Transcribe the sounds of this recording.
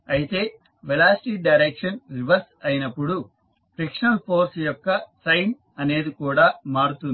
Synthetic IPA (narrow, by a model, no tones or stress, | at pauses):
ɐjit̪e̞ː | belaːsʈiːɖɐjɾekʂɐnɾiʋɐɾsɐjinɐpːuɽu | pɾikʂnɐlpʰo̞ːɾsjɔkːɐsɐjn | ɐne̞ːd̪ikuːɽaːmaːɽut̪un